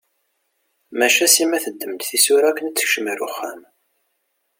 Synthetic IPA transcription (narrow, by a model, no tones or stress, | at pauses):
mæʃæsimæθəd̪ːəmd̪θisʊɾækənət͡sːə̥çʃəməɾʊ̰χːæm